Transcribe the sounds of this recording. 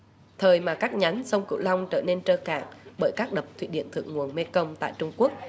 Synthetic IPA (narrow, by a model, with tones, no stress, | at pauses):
t̪ʰəː˨˩jmaː˨˩kaː˦˥k̚ɲa˨˦jŋsə˧wŋ͡mkɨ̰˧˨wla˧wŋ͡mt͡ɕəː˧˩ne˧nt͡ɕəː˧ka̰ː˧˨ŋɓəː˧˩jkaː˦˥k̚ɗə˨˩p̚t̪ʰwḭ˧˩ɗḭ˧˨ənt̪ʰɨ̰˧˨əŋːu˨˩ənme˧kə˧wŋ͡mt̪a̰ː˧˨jt͡ɕʊ˧ŋ͡mku˦˥ək̚